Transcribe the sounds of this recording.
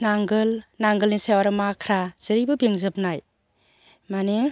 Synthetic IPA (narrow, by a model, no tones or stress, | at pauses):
naŋɡɯlnaŋɡɯlnisewaɾɯmakʰɾaz̥ɯɾibɯbeŋzɯp̚naj | mane